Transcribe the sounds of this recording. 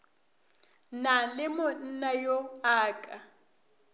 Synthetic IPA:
nalɪmʊn̩najoaːkʼa

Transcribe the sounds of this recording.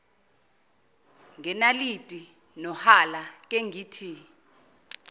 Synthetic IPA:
ŋɛnalitʼi | nɔhalak̬ʼeŋʱiːtʰi

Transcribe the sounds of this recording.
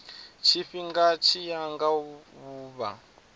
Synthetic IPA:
t͡ʃʰiɸiŋɡat͡ʃʰijaŋɡaβuːβa̰

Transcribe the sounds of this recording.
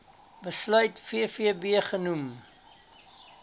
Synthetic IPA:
bəslœɥtfiəfiəbiəχənum

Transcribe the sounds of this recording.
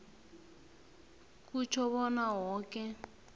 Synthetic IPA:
kut͡ʃʰɔβɔnaɦɔːkɛ

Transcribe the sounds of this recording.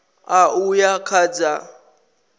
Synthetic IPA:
aujakʰad͡za

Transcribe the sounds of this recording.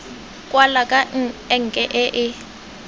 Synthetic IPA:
kʼwalakʼaɛŋ̩kʼɛʔɛʔɪ

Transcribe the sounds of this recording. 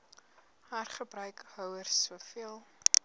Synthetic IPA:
haːrχəbrœɥkhœwərsːuəfiəlˠ

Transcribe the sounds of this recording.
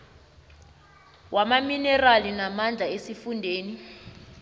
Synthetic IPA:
wʔamaminɛralinamand͡ɮʱaesifundʱeːni

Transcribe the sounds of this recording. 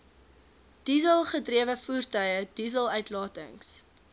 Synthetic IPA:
d̥izəlˠχədriəvəfuːrtœɥəd̥izəlˠœɥtlɑːtə̰ŋs

